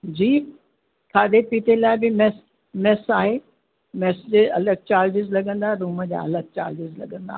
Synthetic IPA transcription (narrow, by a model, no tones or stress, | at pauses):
d͡ʑiː | kʰaːd̪epiːt̪elaːɪbɪmɛs | mɛsaːɦeː | mɛːsd͡ʑeɐləɡ̚t͡ɕaːɾd͡ʑɪzlɐɡə̃nd̪aːɦɾuːməd͡ʑa̰ɐ̰ləɡ̚t͡ɕa̰ːɾd͡ʑɪzlɐ̰ɡə̃nd̪a̰ː